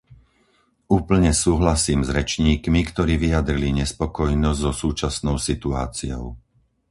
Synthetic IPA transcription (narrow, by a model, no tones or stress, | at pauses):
uːpl̩ɲɛsuːɦlasiːmzɾɛt͡ʃɲiːkmikt̪ɔɾiːʋijad̪ɾiliɲɛspɔkɔjnɔzɟzɔsuːt͡ʃasnɔʊsit̪ua̰ːt͡siɔ̰ʊ